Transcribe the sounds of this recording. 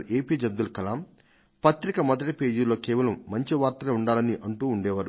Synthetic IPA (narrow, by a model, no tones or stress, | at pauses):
eːpiːd͡ʒɐd̪ːulkɐlaːm | pɐt̪ɾikɐmɐd̪ɐʈɐpe̞ːd͡ʒilo̞ːkɛːʋɐlɐmːɐɲt͡ʃiʋaːɾt̪ɐlɐuɳɖaːlɐniʔɐɳʈuːuɳɖɛːʋaːɾu